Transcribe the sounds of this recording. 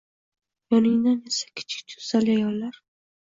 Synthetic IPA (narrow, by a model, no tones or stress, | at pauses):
jɒnɪŋd̪anesḁkʲʰɪ̥t͡ʃʰɪ̥k̚ʲt͡ʃʊzalɪajɒlːaɾ